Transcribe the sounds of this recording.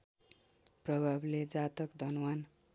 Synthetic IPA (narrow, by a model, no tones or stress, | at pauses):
prʌbʱabled͡zat̪ʌkd̪ʱʌnwan